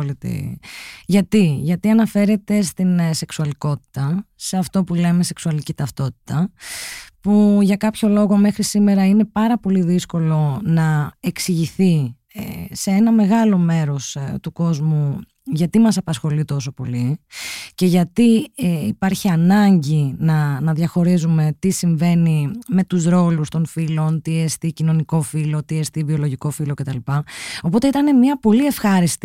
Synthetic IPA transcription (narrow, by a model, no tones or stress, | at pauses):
lit̪ḭ | ʝɐt̪iʝɐt̪iɐnɐfe̞ɾe̞t̪e̞st̪inse̞ksuɐliko̞t̪i̥t̪ɐse̞ɐft̪o̞pule̞me̞se̞ksuɐlicit̪ɐft̪o̞t̪i̥t̪ɐ | puʝɐkɐpço̞lo̞ɣo̞me̞xɾisime̞ɾɐine̞pɐɾɐpo̞liðisko̞lo̞nɐeksiʝiθi | seenɐme̞ɣɐlo̞me̞ɾo̞st̪uko̞zmu | ʝɐt̪imɐsɐpɐsxo̞lit̪o̞so̞po̞li | ce̞ʝɐt̪iipɐɾçiɐnɐɲɟinɐnɐðʝɐxo̞ɾizume̞t̪isiɱve̞nime̞t̪uzɾo̞lust̪onfilo̞nt̪iest̪icino̞niko̞filo̞t̪iest̪ivio̞lo̞ʝiko̞filoce̞t̪ɐlipɐo̞po̞t̪e̞it̪ɐne̞miɐpo̞lie̞fxɐɾist̪i